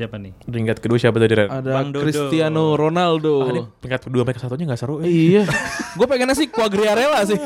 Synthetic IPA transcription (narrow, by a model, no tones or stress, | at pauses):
apaniriŋɡat̪̚kəduaʃabat̪adiɾaadaŋkɾist̪ianoɾonaldoniiŋkat̪̚kəduaməɾekasat̪uɲaŋɡaʔsəɾuijaɡuapakanas̬ɪhkuaɡɾiaɾelas̬ɪh